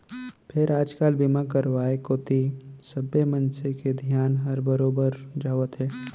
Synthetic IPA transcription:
pʰɪɾaːd͡ʒkaːlbimakəɾʋaːekoːt̪isəbemə̃nseked̪ʱjaːnɦɐɾbəɾoːbəɾd͡ʒaːʋət̪ɦɛː

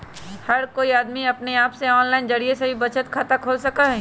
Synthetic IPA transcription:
hɐɾkoːiaːd̪miɐpneaːpseɔːnlaːɪnd͡ʒɐɽiesɐbʱibɐt͡ʃət̪kʰaːt̪akʰoːlsɐkaɦɛ

